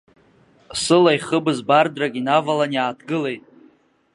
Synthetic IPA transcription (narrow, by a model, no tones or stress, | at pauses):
sɨlaiχəbzbardraɡʲinavalanjaːtʰɡɨle̞jtʼ